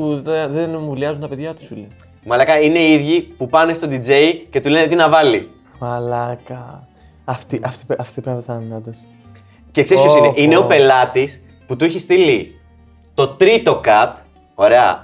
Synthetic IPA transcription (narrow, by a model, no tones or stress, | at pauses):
uððenmuliɐzunt̪ɐpe̞ðʝɐt̪u̥suli | mɐlɐkɐine̞iðʝipupɐne̞st̪o̞d̪id͡ze̞jce̞t̪ule̞net̪inɐvɐlḭ | mɐlɐkɐ | ɐft̪iʔɐft̪i̥pɐft̪ipɾɐmɐtt̪ninod̪ɐs | ce̞ksesskosineʔine̞o̞pe̞lɐt̪is | put̪uiçist̪ili | t̪o̞t̪ɾit̪o̞kɐt̪ | o̞ɾe̞ɐ̰